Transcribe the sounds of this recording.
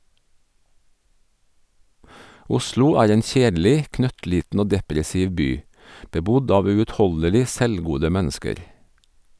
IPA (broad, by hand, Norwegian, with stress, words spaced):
ˈʊslʊ ˈæːɾ ˈeːn ˈçeːdl̩ɪ ˈknœtˌliːtn̩ ˈoː ˈdɛpɾɛsɪʋ ˈbyː bəˈbʊd ˈɑːʋ ˌʉːʉtˈhɔləlɪ ˈsɛlˌɡuːdə ˈmænskəɾ